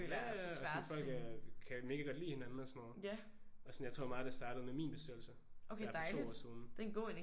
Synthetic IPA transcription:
øsɒʋæsɐd̥fɒl̰ɡ̥kʰæme̝ɡəɡ̥ɒ̽d̥lḭːhe̝nænn̩ɒsnːo̰jæ | ɒ̽sɒnjaɪt͡sʰʁo̝ɐmɑ̈ːðˠd̥esd̥ɑ̈ːɾ̥ð̩ˠmemḭːnb̥e̝sd̥øl̩sə | ʔokʰed̥ɑɪlo̰idːɒ̥̰ːsiːð̞ˠn̩d̥enɡ̥o̝̰ːene

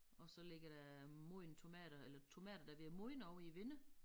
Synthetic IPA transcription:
ɒ̽sɒ̽le̝ɡ̥ɐɾ̥æmoɪnt͡sʰo̝mɛ̰ːd̥ɐelɐt͡sʰo̝mɛ̰ːd̥ɐd̥æʋiɐmoɪnɒʊiʋenə

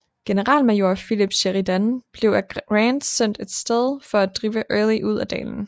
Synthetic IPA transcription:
ɡ̥e̝nəʁɑ̰̈ːlmæjo̝ɐfilib̥ɕeʁid̥ænb̥le̝ʊæ̥ʁɑnd̥sen̰d̥e̝d̥sd̥eð̞ˠfɒ̽æd̥ʁiːʋəʔøːlˠiʔuð̞̰ˠæd̥ɛ̰ːln̩

